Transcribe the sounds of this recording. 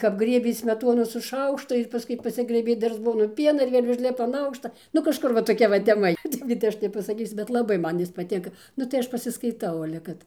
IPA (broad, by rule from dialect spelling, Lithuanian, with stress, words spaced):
kɐp ˈɡrʲiɛbʲeː ˈsʲmʲæːtoːnʊ sʊ ˈʃɐʊkʃtʊ ɪr pɐˈskʊɪ pɐˈsʲɪɡrɘbʲeː ˈdɐr ˈzboːnʊ ˈpʲiɛnɐ ɪr ˈʋʲeːlʲ ʊʒʲˈlʲɪpɐ ɐn ˈɐʊkʃtɐ nʊ kɐʃˈkʊr ʋɐ toːˈkʲɛ ʋɐ tʲɛˈmɐ ɪ ˈtɐɪp kɐt ˈɐʃ nʲɛpɐsɐˈkʲiːsʲʊ bʲɛt lˠɐˈbɐɪ ˈjɪs ˈmɐn pɐˈtʲɪŋkɐ ˈnʊ tɐɪ ˈɐʃ pɐsʲɪskɐɪˈtɐʊ ɐlʲɛ ˈkɐt